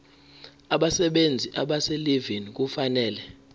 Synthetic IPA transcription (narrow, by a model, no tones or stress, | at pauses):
aɓasɛɓend͡zʱiʔaɓasɛlivink̬ufanɛːlɛ